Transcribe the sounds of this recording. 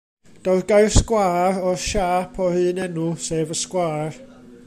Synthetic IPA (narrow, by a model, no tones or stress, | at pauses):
d̥ɔwðɡajrskwaːɾɔʃaːpʰɔhɨːnɛnʊseːvəskwaːr